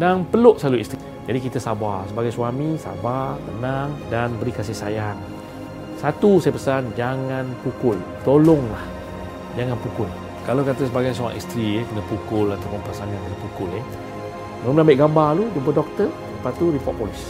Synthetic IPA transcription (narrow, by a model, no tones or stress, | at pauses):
daŋpəlʊʔsaluist̪i | d͡ʒadikit̪əsabasəbaɡajswamisa̰bat̪ənaŋdanbəɾikas̬ɪhsajaŋ | sat̪usajəpəsand͡ʒaŋanpukʊl | t̪olɔŋlah | d͡ʒaŋanpukʊl | kalakat̪əs̬əbaɡajsoa̰ŋʔḭst̪ɾiekənəpukʊlat̪apʊnpasaŋankənə̃pukʊle | məmənambɪʔɡambaludump̬ədɔk̚t̪ə | dəpat̪uɾipɔ̰ʔ̚pɔlis